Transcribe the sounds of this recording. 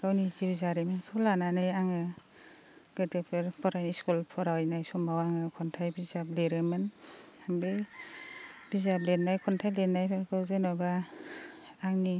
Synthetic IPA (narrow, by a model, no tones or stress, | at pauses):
ɡawniziwzaɾimɯnkʰulananɯjaŋɯ | ɡ̥ɯtepʰɯɾpʰɔɾajniskulpʰɔɾawjnajsɔmbawaŋɯkʰɔntʰajbizab̚leɾɯmɯn | aŋbe | bizab̚leɾnajkʰɔntʰajlenajpʰakʰɯzenɔba | ŋni